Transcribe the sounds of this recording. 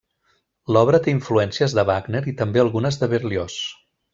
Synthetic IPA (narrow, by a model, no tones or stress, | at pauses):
lɔβɾət̪eiɱfluɛnsiəzðəβaɡneɾit̪əmbeəlˠɣunəzðəβeɾlios